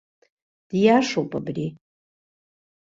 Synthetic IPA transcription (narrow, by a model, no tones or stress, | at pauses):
d̥jaʂowpʼabri